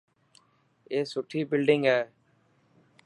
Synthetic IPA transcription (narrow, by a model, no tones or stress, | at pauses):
eːsʊʈʰːiːbɪlɖɪŋɡɦɛː